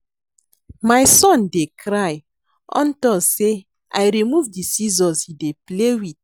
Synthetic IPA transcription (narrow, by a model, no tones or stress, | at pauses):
majsɔ̃ndekɾaj | ʔɔ̰̃ntɔse | ʔajɾimuvdisizɔ̃nsideplewit̚